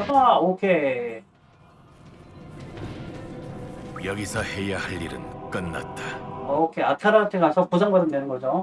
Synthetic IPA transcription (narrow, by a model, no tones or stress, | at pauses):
ʌaokʰe | jʌɡisʰʌhejahaʎːiɾɯ̰nk͈ɯnːa̰t̚t͈aokʰeatʰaɾatʰeɡasʰʌpusʰaŋɡaɾɯnnenɯnɡʌd͡ʑo